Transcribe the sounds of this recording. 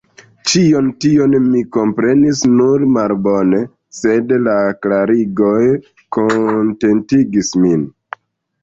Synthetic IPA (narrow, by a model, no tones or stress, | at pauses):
t͡ʃio̞ntionmiko̞mpɾe̞nisnuɾmalbo̞ne̞ | se̞dlaklaɾiɡo̞j | konte̞ntiɡismin